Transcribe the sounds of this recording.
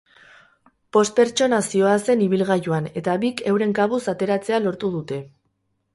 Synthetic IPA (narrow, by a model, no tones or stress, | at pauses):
po̞st̪̚pe̞ɾt͡ʃo̞nasio̞ase̞niβ̞ilɣaʝuane̞t̪aβike̞wɾe̞ŋkaβusat̪e̞ɾat͡se̞alo̞ɾt̪uð̞ut̪e̞